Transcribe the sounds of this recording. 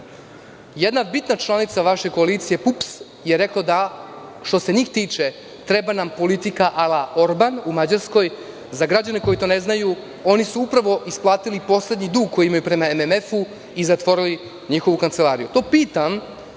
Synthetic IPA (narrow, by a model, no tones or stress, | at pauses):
jed̪nabit̪nat͡ʃlˠanit̪saʋaʃeko̞alit̪sije̞pups | jeɾeklad̪aʃt̪o̞se̞ɲiːxt̪iːt͡ʃe | t̪ɾebanampo̞lit̪ikaʔalao̞ɾbanumad͡ʑaɾsko̞j | zaɡɾad͡ʑaneko̞it̪o̞ːneznaju | o̞nisuupɾaʋo̞ʔisplˠaːt̪ilipo̞sle̞d̪ɲid̪uːɡ̚kʰo̞jiimajupɾe̞maememefu | izat̪ʋo̞ɾili | ɲixo̞ʋukant̪selaːɾijut̪o̞ːpiːt̪am